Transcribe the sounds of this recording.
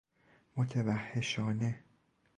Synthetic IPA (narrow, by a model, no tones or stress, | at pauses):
mot̪ʰevæhːeʃɒːne